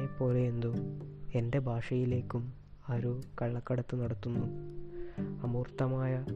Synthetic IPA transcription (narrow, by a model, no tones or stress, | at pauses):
epːo̞ːleend̪ue̞nde̞bʱaːʂɐjile̞ːkʲːum | ɐɾukɐɭːɐkːɐɽɐt̪ːɨnɐɽɐt̪ːunːu | ɐmuːrt̪ːɐmaːjɐ